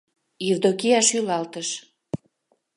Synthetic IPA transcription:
ird̪okijɑʃylɑlt̪əʃ

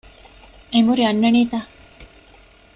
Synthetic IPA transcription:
emuɾiɐnːɐɳiːt̪aː

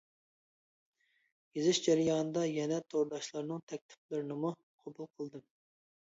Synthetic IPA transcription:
jezɪʃd͡ʒæɾɪjɑːnɨd̪ɑjɛnɛt̪ʰoɾd̪ɑʃlˠɑɾnɨŋt̪ʰɛk̚ʲt̪ʰɪ̥p̚lɪɾɪnɪmu | qʰɑbulˠqʰəlˠd̪ɨm

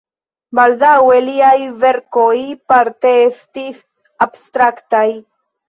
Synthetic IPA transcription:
baldawe̞liajve̞ɾko̞jpaɾt̪e̞estis | abst̪ɾaktaj

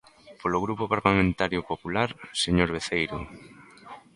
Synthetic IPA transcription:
poloɣ̞ɾupopaɾlamẽnt̪aɾjopopulaɾseɲoɾβ̞eθejɾʊ̰

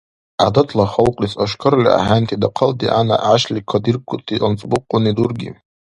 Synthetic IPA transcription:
adatʰlaχalqʼisaʂkʰɨɾlʲḭa̰ħantʰidaqʰaldiʔana̰ʕaʃlikʷʰadirkʷʰʊtʼʰiənt͡sʼbʊqʼːʊnidurɡʲḭ

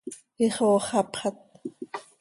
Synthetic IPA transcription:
iχoːχɑpχɑt̪̚

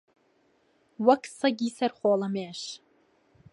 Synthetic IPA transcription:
wakʰsɐɡʲisɐrχʷoːlameːʃ

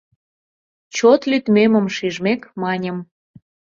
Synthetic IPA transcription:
t͡ɕot̪lyt̪meməmʃiʒmekmɑnʲə̆m

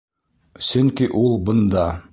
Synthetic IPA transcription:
sɵŋkiʔulˠbŏnd̪ɑ

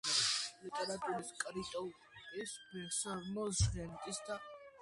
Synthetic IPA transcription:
lit̪ʼɛɾat̪ʼuɾiskʼɾit̪ʼɔ | isbisaɾmɔzʒʁɛnt̪ʼisd̪a

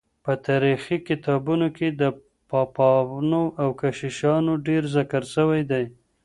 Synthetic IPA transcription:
pət̪ɑɾixikɪt̪ɑbunoked̪ə | pɑpɑnoʔawkaʃiʃɑnoɖeɾzakaɾʃəwajd̪aj

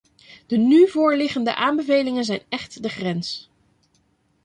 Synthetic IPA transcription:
d̥ənyvʊːɹlɪχəndə̰ʔaːmbəvejlɪŋənzɛjnɛχtdəχrɛns

